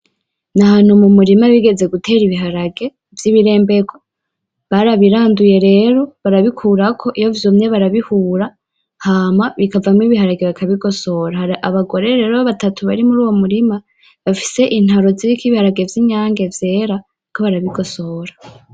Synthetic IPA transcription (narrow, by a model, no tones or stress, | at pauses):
nahaːn̥humumuɾimaβiɡe̞ze̞ɡutʰe̞ːɾiβiɦaɾaɡe̞ | vjiːβiɾe̞ːmbe̞ɡo | βaɾaβiɾaːnduje̞ɾe̞ːɾo̞βaɾaβikʰuːɾakʰo̞ʔijo̞vjomɲe̞βaɾaβihuːɾa | haːmaβikavamŋiβiɦaɾaɡe̞βakʰaβiɡo̞so̞ɾaʔaβaɡo̞ɾe̞ɾeːɾoβatatʰuβaɾimuɾuːwo̞muɾima | βafi̥se̞ʔin̥haɾo̞ziikiβihaɾaɡe̞vjiɲaːŋɡe̞vje̞ɾa | kʰo̞βaɾaβiɡo̞so̞ɾḁ